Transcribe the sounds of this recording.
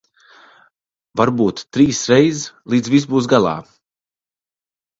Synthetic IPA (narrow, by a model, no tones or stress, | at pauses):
vaɾbuːt̪ːɾiːsɾɛjzlˠiːd̪zvisbuːs̬ɡalˠɑ̰ː